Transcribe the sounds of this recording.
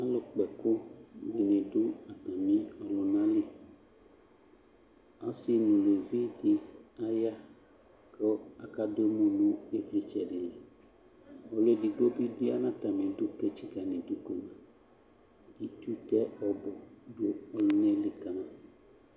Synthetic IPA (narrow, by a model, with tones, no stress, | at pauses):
a˦lo˨k͡pɛ˨ko˦di˨nẽ˨do˦a˨t̪ã˨mĩ˦ɔ˨lo˨nã˦li˦ | a˦si˨nũ˨le˨vi˦t̪i˨a˦ja˦ | kɔ˦a˨ka˦do˦mõ˨nũ˦e˦fli˦t͡ʃɛ˨ɖe˨le˨ | ɔ˨lo˨˦di˨ɡ͡bo˦bi˦di˦a˦nã˦t̪ã˨mẽ˨do˦ke˦t͡ʃi˦ka˨nẽ˨du˦ko˨nã˨ | i˦t̪u˦t̪ɛ˦ɔ˨bɔ˨ɖo˦ɔ˦lo˦nẽ˦le˨ka˨nã˨